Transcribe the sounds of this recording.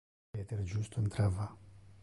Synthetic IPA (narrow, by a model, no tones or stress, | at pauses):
et̪eɾd͡ʒust̪ont̪ɾava